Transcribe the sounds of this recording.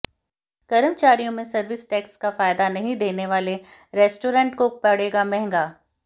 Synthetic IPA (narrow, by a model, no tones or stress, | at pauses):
kɐɾəmt͡ʃaːɾijõmẽsɐɾʋɪsʈɛːkskafaːjd̪anɐɦĩd̪eːneʋaːleɾɛːsʈoːɾə̃ːɳʈkopɐɽeːɡamɛ̃ɦŋɡaː